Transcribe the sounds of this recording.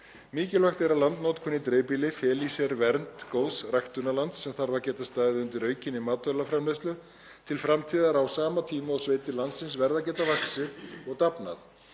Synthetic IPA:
miːcɪlvajxt̪ɛɾaðlant̪nowt̪kʰʏnːɪt̪ɾeːpiːlɪfɛːlisɛɾvɛɾnt̪koːwsrajxt̪ʏnːalant̪sɛmθaɾðacɛːt̪ast̪aːjðɪʏnt̪ɪɾœːɥcɪnːɪmaːt̪vœlafɾamlejst̪lʏ | t̪ʰɪlfɾamt̪ʰiːðaɾawsaːmat̪ʰiːmaɔsveːjt̪ɪlant̪sɪnsvɛɾðacɛːt̪avaksɪðɔɣt̪apnaθ

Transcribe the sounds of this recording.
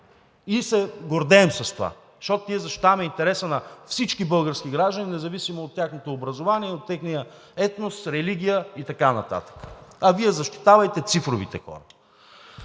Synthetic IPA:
isɛɡoɾd̪ɛːmsɐst̪ova̰zɐʃt̪ot̪oniɛzɐʃt̪i̥t̪avɐmɛint̪ɛɾɛsənɐfsit͡ʃkibɤlˠɡəɾskiɡɾaʒd̪əninɛzɐvisimoːt̪ːʲjaxnot̪oːbɾɐzovaniɛot̪ːɛxnijə | ɛt̪nost̪ɾɛliɡ̟ʲijəit̪ɐkanɐt̪a̰t̪ə̥kə̥ɐviɛzɐʃt̪i̥t̪avɐjt̪ɛt̪sifɾovḭt̪ɛ̰xɔ̰ɾə

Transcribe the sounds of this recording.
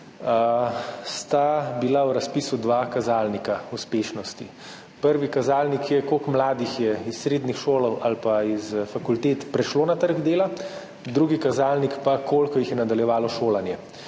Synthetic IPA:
st̪abilawɾaspisud̪ʋaːkazaːlnikauspeːʃnɔst̪ḭ | pəɾʋikazaːlnikjɛkoːkmlaːd̪ixjɛisːɾeːd̪nixʃoːlɔwʔalpaizfakult̪eːt̪pɾɛʃloːnat̪əɾɡd̪eːla | d̪ɾuɡikazaːlnikpakoːlkɔjixjɛnad̪aljɛʋaːlɔʃoːlanjɛ

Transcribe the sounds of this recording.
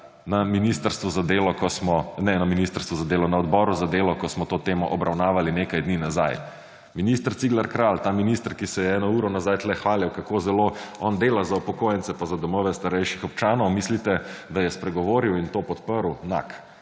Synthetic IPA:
naminist̪əɾst̪ʋuzad̪eːlɔkɔsmɔnɛnaminist̪əɾst̪ʋuzad̪eːlɔnaɔd̪bɔɾuzad̪eːlɔkɔsmɔt̪ot̪eːmɔʔɔbɾawnaːʋalinekajd̪niːnaza̰j | minist̪əɾt̪siɡlaɾkɾalt̪aːminist̪əɾkisɛjɛɛːnɔuːɾɔnazajt̪lɛxʋaːljawkakozɛloɔnd̪eːlazaupɔkoːjɛnsɛpazad̪ɔmɔːʋɛst̪aɾɛjʃixɔp̚t͡ʃaːnɔʊwmislit̪ɛd̪ajɛspɾɛɡɔʋoːɾiwint̪oːpɔt̪pəɾuna̰k

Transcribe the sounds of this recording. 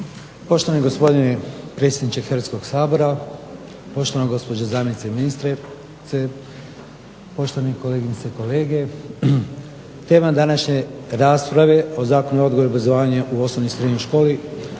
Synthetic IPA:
po̞ʃt̪oaniɡo̞spo̞d̪inepɾet̪sʲjed̪nit͡ʃexɾʋat̪sko̞ɡsaːbo̞ɾa | po̞ʃt̪o̞ʋanaɡo̞spo̞d͡ʑazaːmjenit̪seiminist̪ɾe | e | po̞ʃt̪oaneko̞leːɡinseko̞le̞ːɡe̞ | t̪e̞ːmad̪anaʃɲe̞ɾaːspɾaʋe̞o̞zaːkonuo̞d̪ɡo̞ɾiobɾazoʋaːɲaʔuo̞snoʋnisɾed̪ɲojʃko̞ːli

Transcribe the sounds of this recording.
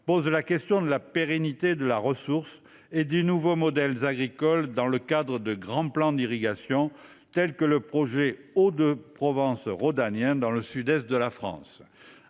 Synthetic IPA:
pozlakɛst̪jɔ̃d̪əlapeʁɛnit̪ed̪əlaʁəsuʁs | ed̪enuvomɔd̪ɛlzaɡʁikɔld̪ɑ̃ləkad̪ʁəd̪əɡʁɑ̃plɑ̃d̪iʁiɡasjɔ̃ | t̪ɛlkələpχɔʒeod̪əpχɔvɑ̃sʁod̪anjɛ̃d̪ɑ̃ləsyd̪ɛst̪̚d̪əlafχɑ̰̃s

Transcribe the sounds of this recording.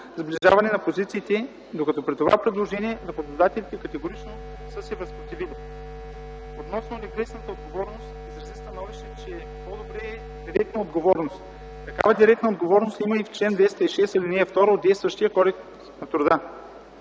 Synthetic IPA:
zbliʒa̰vɐnɛnɐpozit̪siːt̪ɛ | d̪okɐt̪ɔpɾit̪ova̰pɾɛd̪lˠoʒɛniɛd̪ɐpɐd̪d̪at̪ɛlit̪ɛkɐt̪ɛɡoɾit͡ʃno | səsɛvɛspɾot̪ivilʲi | ot̪nɔsnonɛkɾɛsnət̪əod̪̚ɡovɔɾnost̪izɾɐzist̪ɐnɔviʃɛt͡ʃɛ | pod̪obɾɛː | d̪iɾɛk̚t̪nɐod̪ɡovɔɾnost̪ | kɐka̰vəd̪iɾɛk̚t̪nəod̪ɡovɔɾnost̪iməift͡ʃlɛnd̪vɛst̪əiʃɛst̪ilinɛɛft̪ɔɾəoːd̪ɛjst̪vəʃt̪ijəkɔɾɛk | nɐt̪ɾʊd̪ə

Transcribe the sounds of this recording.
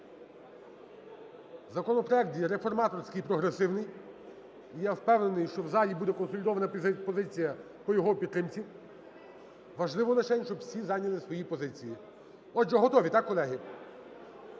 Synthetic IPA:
zɐkɔnɔpɾɔɛk̚t̪jɛɾefɔrmɑt̪ɔrsʲkɪjpɾɔɦɾesɪwnɪj | ijawpɛwne̞nɪjʃt͡ʃɔwzɑlʲibud̪ɛkɔnsɔlʲɪd̪ɔʋɐnɐpɔzɪt͡sʲijɐ | pɔjɔɦɔpʲid̪t̪ːɾɪmt͡sʲi | ʋɐʒlˠɪʋɔlˠɐt͡ʃɛnʲʃt͡ʃɔbwsʲizɑnʲɐlˠɪsʋɔjipɔzɪt͡sʲiji | ɔd͡ʒɛɦɔt̪ɔʋʲit̪ɑkːɔlˠɛɦɪ

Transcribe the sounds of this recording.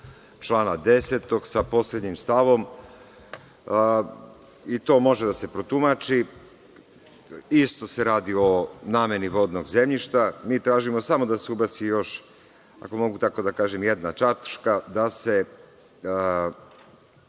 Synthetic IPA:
t͡ʃlˠaːnad̪e̞set̪o̞ɡsapo̞sled̪ɲimst̪aʋo̞m | it̪o̞ːmo̞ʒed̪ase̞pɾo̞t̪umat͡ʃi | ist̪o̞se̞ɾaːd̪io̞naːme̞niʋo̞d̪no̞ɡze̞mʎiʃt̪amiːt̪ɾaːʒimo̞samo̞d̪aseubat̪sijo̞ʃ | a̰ko̞mo̞ɡut̪ako̞d̪akaːʒemjed̪nat͡ʃat̪ʃkad̪ase̞

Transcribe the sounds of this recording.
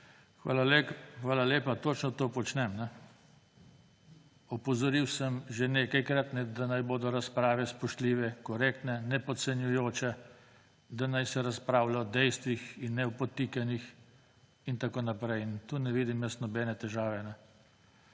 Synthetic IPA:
xʋa̰ːlalexʋaːlaleːpat̪oːt͡ʃnɔt̪opɔt͡ʃnɛmnɛ | ɔpɔzɔɾiwsəmʒeneːkajkɾat̪nɛd̪anajboːd̪ɔɾaspɾaːʋɛspɔʃt̪liːʋɛkɔɾeːk̚t̪nɛnɛpɔt̪sɛnjujoːt͡ʃɛ | d̪anajsɛɾaspɾaːwlaɔd̪ɛjst̪ʋixinːɛwpɔt̪ikanix | int̪akoːnapɾɛjint̪uːnɛʋiːd̪imjəst̪nɔbɛːnɛt̪ɛʒaːʋɛnɛ

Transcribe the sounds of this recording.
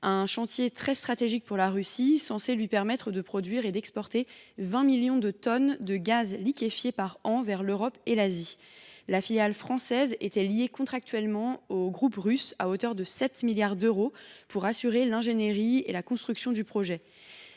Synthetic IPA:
ɛ̃ʃɑ̃t̪jet̪χɛst̪χat̪eʒik̚puʁlaʁysisɑ̃selɥipɛʁmɛt̪χəd̪əpχɔd̪ɥiʁed̪ɛkspɔʁt̪evɛ̃miljɔ̃d̪ət̪ɔnd̪əɡazlikʲefjepaʁɑ̃vɛʁløʁɔpelazilafiljalfχɑ̃sɛzet̪ɛljekɔ̃t̪χak̚t̪ɥɛlmɑ̃oɡʁupʁysa̰ot̪œʁd̪əsɛt̪miljaʁd̪øʁopuʁasyʁelɛ̃ʒeneʁiḛlakɔ̃st̪χyksjɔ̃d̪ypχɔʒɛ

